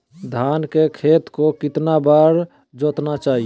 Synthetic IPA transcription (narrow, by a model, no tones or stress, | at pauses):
d̪ʱaːnkekʰeːt̪kokɪt̪nabaɾ | d͡ʒoːt̪nat͡ʃaːɦi